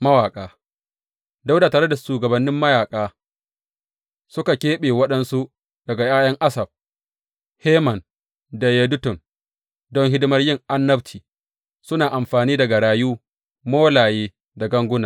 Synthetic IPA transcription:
mɐ˦waː˨kʼaː˦ | da˦wdaː˨taː˨ɾe˦da˨ʃuː˨ɡɐ˨bɐ˨nːɪ˦mːɐ˦jaː˨kʼaː˦ | sʊ˦ka˨kʲeː˦ɓeː˨wɐ˦ɗɐ˦nsu˦ʔ | d̥ɐ˨ɡa˨jaː˦jɐ˦ŋʔa˦sɐ˨b̚ | heː˦mɐ˨n | da˨je˦dʊ˦tʊ˨n | dɔ˦ŋɦɪ˦dɪ˦mɐ˦rjɪ˦˨ŋʔa˦nːɐ˦btiː˨ | sʊ˦naː˨ʔa˨mɸaː˨niː˦dɐ˨ɡa˨ɽaː˨juː˦ | moː˦laː˨jeː˦ | da˨ɡɐ˦ŋɡʷʊ˦naː˨

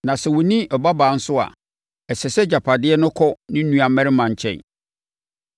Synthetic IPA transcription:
nã˨sɛ˨wɔ˨nĩ˦ʔɔ˨ba˦baː˨˦n̩˦sʊ˦a̰˨ | ɛ˨sɛ˨sɛ˦d͡ʑa˨pʰa˨dɪ˦ɛ˦nʊ̃˦kʰɔ˦nɪ̃˦nũ˦a˨mɛ̃˦ɾɪ˦mã˨ɲ̩˨t͡ɕʰɛ̰̃˨

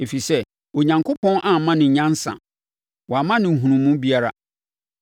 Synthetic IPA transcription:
e˨fi˨sɛ˦ | o˨ɲã˨ŋkʰʊ˦pʰɔ̃˦nʔã˨mːã˦nɪ̃˨ɲã˦n˦sã̰˨ | wɔ˨a˨mã˦nɪ̃˨ɦũ˨nũ˨mũ˦bi˦a˦ɾa̰˨

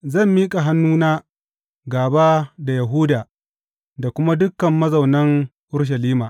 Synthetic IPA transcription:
zɐ˦˨mːiː˦kʼa˨ɦa˦nːuː˦naː˦ | ɡaː˨baː˦da˨ja˨ɦu˦daː˨ | da˨kʷʊ˦ma˦dʊ˦kːɐ˨mːɐ˦zɐ˨wnɐ˦ŋ | ʔʊ˦ɽʃ̬ɐ˨liː˦maː˨ʔ

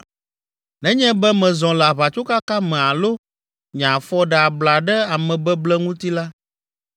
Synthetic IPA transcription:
nɛ̃˦ɲɛ̃˦bɛ˦mɛ̃˨zɔ̃˨lɛ˨a˨βa˨t͡ʃo˦ka˦ka˦mɛ̃˨a˨lo˦ | ɲã˨fɔ˦ɖɛ˨a˨bla˨ɖɛ˦a˨mɛ̃˨bɛ˦blɛ˦ŋũ˦t̪i˦la˦

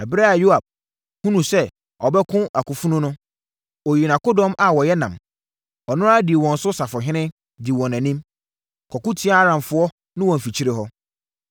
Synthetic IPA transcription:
ɛ˨bɪ˦ɾa˦a˨ju˦a˨b̥̚ | hũ˦nũ˨sɛ˦ | ɔ˨bɛ˦kʰʊ̃˦ʔa˨kʊ˨fu˦nʊ̃˦nʊ̃˦ | ɔ˨ji˨nã˨ko˦dɔ̃˦mʔa˨wɔ˨jɛ˦nã̰˨m | ɔ˨nʊ̃˦ɾa˦di˨wɔ̃˨n̩˨sʊ˦sa˨fʊ˨ɦɪ̃˦nɪ̃˦ | di˨wɔ̃˨nã˨nĩ˦m | kʰɔ˨kʊ̃˦tʰi˦a˦a˦ɾã˨mfʊ˨˦ɔ˦ | nʊ̃˦wɔ̃˨m̩˨fi˨t͡ɕʰi˦ɾɪ˨ɦɔ˦

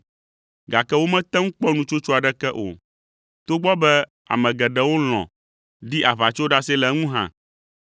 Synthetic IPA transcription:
ɡa˨kɛ˦wo˦mɛ̃˦t̪ɛ̃˦ŋ̩̃˦k͡pɔ˦nũ˨t͡ʃo˦t͡ʃo˦a˨ɖɛ˦kɛ˦ʔo̰˨ | t̪o˦ɡ͡bɔ˦bɛ˦ | a̰˨mɛ̃˨ɡɛ˨ɖɛ˦wo˦l̃ɔ̰̃˨ | ɖi˦ʔa˨βa˨t͡ʃo˦ɖa˦sɛ˦lɛ˨˦ŋũ˦ɦã̰˦

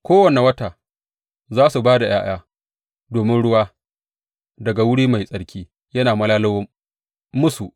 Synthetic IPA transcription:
kʷoː˦wɐ˨ne˨wɐ˦taː˨ | zaː˦su˨baː˦da˨j̰ʔaː˦j̰aː˦ | doː˨mɪ˦nɽʊ˦waː˦ | dɐ˨ɡa˨wʊ˦ɽiː˦ma˨jsʼɐ˨˦ɽkʲiː˦ | jɐ˦naː˨mɐ˦laː˦lɐ˦w | mʊ˦su˨ʔ

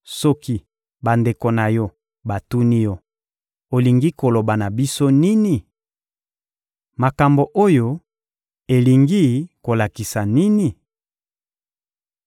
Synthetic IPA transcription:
sɔ˦ki˦ | ba˨nde˨ko˨na˨jɔ˦ | ba˨tu˦ni˦jɔ˦ | o˨li˨ŋɡi˦ko˨lo˨ba˨na˨bi˦so˦ni˦ni˨ | ma˨ka˨mbo˨ʔo˦jo˦ | e˨li˨ŋɡi˦ko˨la˨ki˨sa˨ni˦ni˨

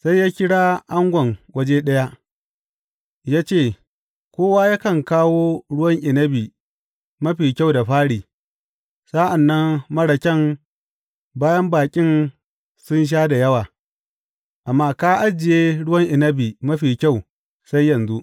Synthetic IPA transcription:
sa˦jːaː˦kʲɪ˦ɽaː˦ʔa˦ŋɡʷɐ˨ŋwɐ˦d͡ʒeː˦ɗɐ˦ja˦ʔ | jaː˦t͡ʃeː˦˨ | kʷoː˦waː˦ja˦kɐ˨ŋkaː˦woː˦ɽʊ˦wɐ˦ŋʔɪ˨nɐ˦biː˨ | mɐ˦ɸiː˨kʲa˦˨wda˨ɸaː˦ɽiː˨ | sa˦ʔa˨nːɐ˦mmɐ˦ɽɐ˨kʲɛ˦m | baː˦jɐ˦mbaː˨kʲʼɪ˦n | sʊ˦nʃ̬aː˦da˨jɐ˦waː˨ | ʔa˨mːaː˦kaː˦ʔa˦d͡ʒɪ˨jeː˦ɽʊ˦wɐ˦ŋʔɪ˨nɐ˦biː˨mɐ˦ɸiː˨kʲa˦˨w | sa˦jjːɐ˨nzu˦ʔ

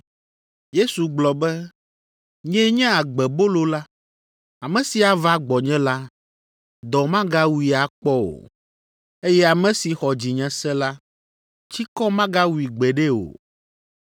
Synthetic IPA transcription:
je˦su˨ɡ͡blɔ˨bɛ˦ | ɲɛ̃˦ɲɛ̃˦a˨ɡ͡bɛ˨bo˦lo˦la˦ | a˨mɛ̃˦si˨a˨va˦ɡ͡bɔ˨ɲɛ̃˦la˦ | d̪ɔ˨mã˦ɡa˦wu˨i˨a˨k͡pɔ˦o̰˨ | e˦jɛ˦a˨mɛ̃˦si˨xɔ˨d͡ʑi˨ɲɛ̃˨sɛ̃˦la˦ | t͡ɕi˦kɔ˦mã˦ɡa˦wu˨i˨ɡ͡bɛ˨ɖɛ˦o̰˨

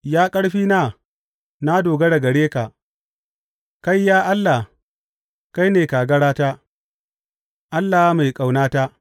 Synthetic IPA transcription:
jaː˦kʼɐ˦ɽɸiː˦naː˦˨ | na˦doː˨ɡɐ˦ɽa˨ɡɐ˨ɽeː˦ka˨ | ka˦jːaː˦ʔa˦lːa˨ | ka˦jneː˨kaː˨ɡɐ˦ɽaː˦taː˦ | ʔa˦lːaː˨˦ma˨jkʼa˨wnaː˦taː˦

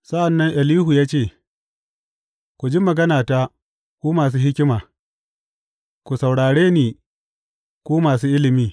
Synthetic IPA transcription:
sɐ˦ʔa˨nːɐ˦ŋʔɛ˨liː˦ɦu˨jaː˦t͡ʃeː˦˨ | kʷu˨d͡ʒi˦mɐ˨ɡɐ˦naː˨ta˦ | kʷoː˦maː˨s̬uː˦hɪ˦kʲɪ˦maː˨ | kʷu˨sa˨wɽaː˨ɽeː˦niː˨ | kʷoː˦maː˨suː˦ʔɪ˦lɪ˨miː˦

